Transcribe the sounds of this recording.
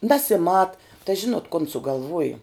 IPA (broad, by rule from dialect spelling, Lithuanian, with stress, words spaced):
nʲɛsʲɪˈmɐt tɐɪ ˈʒʲɪnoːt koːn sʊɡɐlˠˈʋuɔjʊ